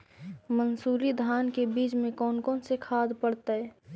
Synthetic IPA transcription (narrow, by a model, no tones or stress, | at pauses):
mənsuːɾid̪ʱaːnkebiːt͡ʃmẽkɔːnkɔːnsekʰaːd̪pəɽt̪aɛ